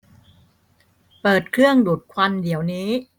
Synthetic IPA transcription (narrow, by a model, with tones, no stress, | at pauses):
pɤː˨˩t̪̚kʰɾɯ˥˩əŋduː˨˩t̪̚kʰwa˧ndi˩˦əwniː˦˥